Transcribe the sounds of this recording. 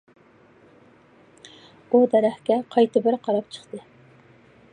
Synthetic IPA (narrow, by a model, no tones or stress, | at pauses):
ud̪ɛɾæχkʲɛqʰɑjt̪ʰɨbɪɾqʰɑɾɑpt͡ʃʰə̥χt̪ɨ